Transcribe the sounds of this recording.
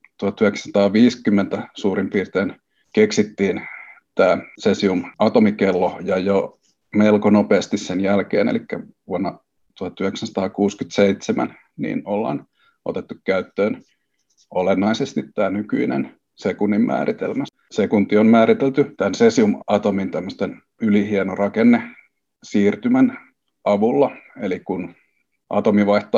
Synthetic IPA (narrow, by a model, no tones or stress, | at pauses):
t̪uhɑt̪ːyhekssɑt̪ɑːʋiːskymːent̪æsuːrimpiːrt̪eːn | keksit̪ːiːn | t̪æːsesiumɑt̪omikelːojɑjo | melkonopeːst̪issenjælkḛːnḛlikːæ̰ʋuɑnːɑ | t̪uhɑt̪ːyheksænsɑ̥t̪ɑːkuːskyt̪seit̪semæ̰n | nḭːnolːɑ̰n | ʔo̰t̪et̪ːukkæyt̪ːøːn | olenːɑisest̪it̪tæːnyky̰inḛn | sekunːimmʔæ̰ːrit̪ḛlmæ | sekunt̪ːionmæːɾit̪elt̪yt̪ænsesiumɑt̪omint̪æmːøst̪en | ylihienorɑkenːe | siːrt̪ymæn | ɑʋulːɑelikun | ʔɑ̰t̪omiʋɑiht̪ɑ